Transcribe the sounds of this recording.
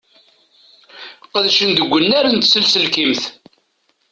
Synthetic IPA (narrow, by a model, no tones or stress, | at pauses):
qəðʃənd̪əɡʷːənːæɾənt̪səlsəlkimθ